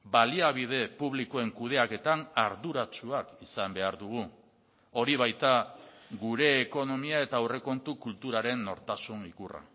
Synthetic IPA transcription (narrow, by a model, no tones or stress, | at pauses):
baliaβiðe̞puβlikoe̞ŋkuð̞e̞ake̞t̪anaɾðuɾat͡ʃuakisambe̞aɾðuɣ̞u | o̞ɾiβ̞ajt̪aɡuɾe̞ːko̞no̞miae̞t̪awre̞ko̞nt̪ukult̪uɾaɾe̞nːo̞̰ɾt̪asuŋikura̰